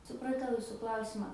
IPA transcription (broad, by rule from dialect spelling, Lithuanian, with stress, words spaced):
sʊprɐˈtɐʊ ˈjʊsʊ ˈklˠɐʊsʲɪmɑː